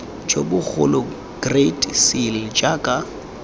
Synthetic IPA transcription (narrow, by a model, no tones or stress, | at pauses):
d͡ʒʼobʊk͡xʰʊ̰lɔ | ɡ̥retʼsild͡ʒakʼa